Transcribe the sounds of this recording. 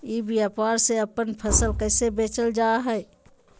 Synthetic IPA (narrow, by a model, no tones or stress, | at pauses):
ibʱiəpaːɾseəpənpʰəsəlkəːɪsebeːt͡ʃəld͡ʒaːɦɛ